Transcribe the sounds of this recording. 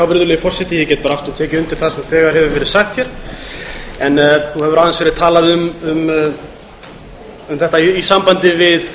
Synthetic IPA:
awpɾɪðʏlɛɣfɔr̥sɛt̪ːɪçɛcɛːt̪̚paɾaft̪at̪ʰɛːcɪʏnt̪ɪɾ̥θasɛmθɛːɣaɾ̥hɛvʏvɛɾɪðsaxt̪çjɛɾ̥ | ɛnθuhɛvʏɾaðansvɛːɾɪ̥t̪ʰaːlaðʏmʏm | ʏmθɛht̪aiisampant̪ɪvɪð

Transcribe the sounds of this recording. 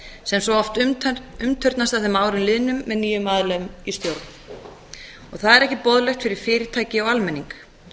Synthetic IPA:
sɛmsɔɔft̪ʏmt̪ʰœɾt̪nast̪aθɛmːaːwɾʏnlɪðnʏmːɛðniːjʏmaːðlœmist̪jowɾt̪n | ɔɣθaðɛɾɛhcɪpɔðlɛxt̪fɪɾɪɾ̥fɪːɾɪɾ̥t̪ʰaːjcɪɔɣalmɛnːiŋk

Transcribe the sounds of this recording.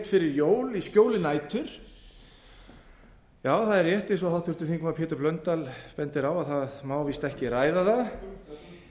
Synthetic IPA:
t̪fɪɾɪɾjoːwliskcoːwlɪnaːjt̪ʰʏɾ̥ | jaːwθaðɛɾjɛht̪ɪsɔhawt̪ʰʏft̪ɪθiŋkmapʰeːt̪ʏɾplœnt̪alpɛnt̪ɪɾawaðθaðmaːwvist̪ɛhcɪraːjðaða

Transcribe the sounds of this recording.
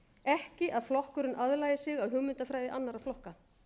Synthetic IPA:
ɛhcɪʔaðflɔhkʏɾʏnʔaðlaːjɪsɪɣawɦʏɣmɪnt̪afɾaːjðɪʔanːaɾaflɔhka

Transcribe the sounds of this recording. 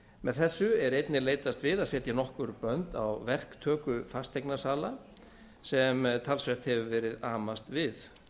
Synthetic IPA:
mɛðθɛsːʏɛɾejt̪nɪleːjt̪ast̪vɪðasɛːt̪jɛnɔhkʏɾpœnt̪awvɛr̥kt̪ʰœːkʏfast̪ejknasaːla | sɛmt̪ʰalsvɛr̥t̪hɛvʏvɛːɾɪðaːmast̪vɪθ

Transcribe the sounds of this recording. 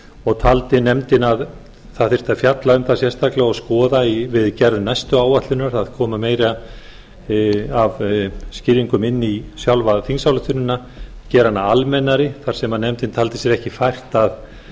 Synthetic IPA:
ɔɣt̪ʰalt̪ɪnɛmt̪ɪnað | θaðθɪr̥t̪afjat̪laʏmθasjɛr̥st̪ʰaklɛɣɔɣskɔːðaivɪðcɛɾðnajst̪ʏaːwvat̪lʏnaɾθaðkʰɔːmameːjɾɪa | avscɪɾiŋkʏmɪnːisjawlvaθiŋsawlɪht̪ʰʏnʏna | cɛːɾanːaalmɛnːaɾɪθaɾ̥sɛmanɛmt̪ɪnt̪ʰalt̪ɪsjɛɾɛhcɪfajr̥t̪að

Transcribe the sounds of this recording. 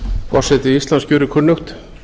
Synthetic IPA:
kʰɔ̰̥sɛt̪ɪist̪lanskcʏːɾʏkʰʏɾnʏxt̪

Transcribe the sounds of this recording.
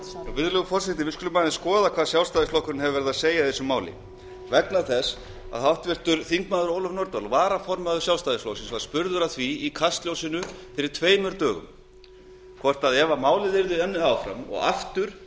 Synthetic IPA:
awvɪðʏlɛɣʏfɔr̥sɛt̪ɪvɪskʏlʏmaːnɪskɔːðakʰvaːðsjawlst̪aːðɪsflowhkʏɾʏnɦɛvɪvɛɾɪðaseːjaiθɛsːʏmːaːwlɪ̰ | vɛknaθɛs | a̰ðhawht̪vɪr̥t̪ʏɾθiŋkmaːðʏɾoːwlɔfnɔɾt̪ɔlvaːɾafɔɾmɛðʏ̥sjawlst̪aːðɪsflowsɪnsvaɾ̥spʏɾðʏɾaθviikʰast̪ljowsɪnʏfɪɾɪɾ̥t̪ʰveːjmʏɾt̪œːɣʏ̰m | kʰvɔr̥t̪aðɛvamaːwlɪðɪɾðʏɛnːɪðaːwfɾa̰mɔ̰ɣa̰ft̪ʏɾ̥

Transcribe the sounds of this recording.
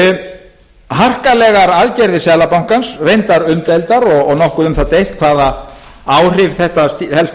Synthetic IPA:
ɦar̥kalɛːɣaɾaðcɛɾðɪsɛːlapawŋ̥kansrejnt̪aɾʏmt̪ejlt̪aɾɔɣɔɣnɔhkʏðʏmθat̪ejt̪kʰv̥aːðaaːwr̥ɪvθɛht̪ast̪hɛlst̪

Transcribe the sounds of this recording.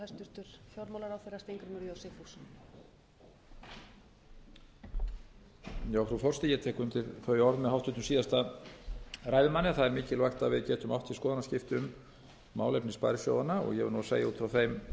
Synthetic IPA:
ɛst̪ʏ̥t̪ʏɾ̥fjɔwɾmawlaɾawθejrast̪ejŋkɾʏmʏɾjɔsɪfus | jaːwfɾufɔr̥st̪ɪjɛt̪ʰɛːkɪnt̪ɪɾθœːɥjʏɔɾðmɛðhawht̪ʏnt̪ʏmsiːðast̪a | ɾajðʏmanːɪaθaðɛɾmɪːcɪlvajxt̪aðvɪðcɛːt̪ʏmawht̪iskɔːðanascɪft̪ɪʏmː | aːwlejpnispajɾɪsjo̰ːwðanaɔ̰ɣjɛvʏɾnuasḛːjauːt̪fɾawθejm

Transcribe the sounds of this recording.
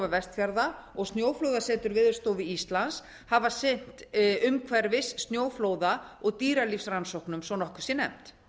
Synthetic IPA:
avɛst̪fjaɾðaɔɣst̪njoːwfloːwðasɛːt̪ʏɾvɪðʏɾ̥st̪oːwvɪist̪lans | havasɪn̥t̪ʏmkʰvɛɾvɪsːt̪njoːwfloːwðaɔɣt̪iːɾalifsɾansowhknʏmsɔnɔhkʏ̥sjɛnɛ̰m̥t̪

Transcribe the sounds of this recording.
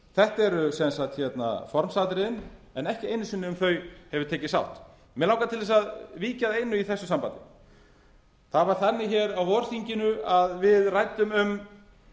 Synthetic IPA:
θɛht̪ɛɾʏsɛnsaht̪çɛt̪na̰fɔɾmsat̪ɾɪnɛnɛhcɪeːjnɪsɪnːɪʏmθœɥhɛvʏt̪ʰeːjcɪsa̰wht̪ | mɛlawŋkat̪ʰɪlðɛsaðviːcaðejnʏiθɛsːʏsampant̪ɪ̰ | θavaɾ̥θanːɪçɛːɾawvɔɾ̥θiɲcɪnʏaðvɪðrajt̪ʏmʏm

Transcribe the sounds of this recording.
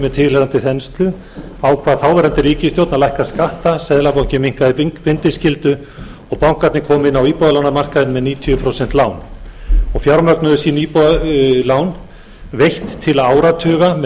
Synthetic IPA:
mɛt̪ʰɪlɛɾant̪ɪθɛnst̪lʏ | awkʰvaːðθawvɛːɾant̪ɪɾiːcɪsjowt̪naðlajhkaskaht̪asɛðlapawŋ̥cɪmiŋ̥kaðɪŋpɪnt̪ɪscɪlt̪ʏ | ɔɣpawŋkat̪nɪkʰɔːmɪnːawiːpɔðalawnamar̥kaðɪnmɛðniːt̪ʰiʏpʰɾowsɛn̥t̪lawn | ɔɣfjawɾmœknʏðʏsiːniːpɔðlaːwn | vejht̪ʰːɪlaaːwɾat̪ʰœːɣam

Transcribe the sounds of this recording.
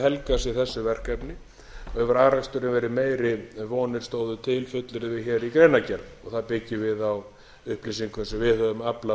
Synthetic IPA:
hɛlkasiθɛsːʏvɛr̥kɛpnɪ | ɔhɛvʏɾaːɣɾakst̪ʏɾɪnvɛːɾɪmeːjɾɪvɔːnɪr̥st̪oːwðʏt̪ʰɪlfʏt̪lʏɾɪvɪðçɛːɾikɾeːjnacɛɾðɔɣθaðpɪcːʏvɪðaw | ʏhplisiŋkʏmsɛmvɪðθœðʏmapla

